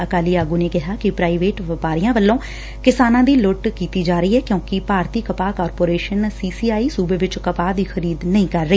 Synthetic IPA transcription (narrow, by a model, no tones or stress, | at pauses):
əkaːliːaːɡuːneːkɪɦaːkɪpɾaːiʋeːʈʋɪpaːɾɪjãːʋəlːõː | kɪsaːnãːd̪iːlʊʈkiːt̪iːd͡ʒaːɾəiːɦɛːkjõːkɪpaːɾt̪iːkəpaːkɔːɾpoːɾeːʃənsiːsiːaːiːsuːbeːʋɪt͡ʃkəpaːd̪iːxʰəɾiːd̪nəĩːkəɾːəiː